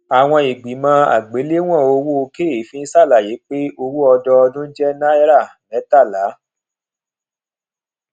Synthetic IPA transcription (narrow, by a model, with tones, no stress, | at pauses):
a˨w̃ɔ̃˧i˨ɡ͡bi˨mã˧˦a̰˨ɡ͡be˨˦le˦w̃ɔ̃˦˨o˧wo˦˧ke˦˨i˨˦fĩ˦sa˦˨la˨˦˨je˨˦k͡pe˦o˧wu˦ɔ˧dɔ˧ɔ˧dũ˦d͡ʒɛ˦nã˦ɛ˦ɾa˦˨lɛ˨˦ta˦˨la˨˦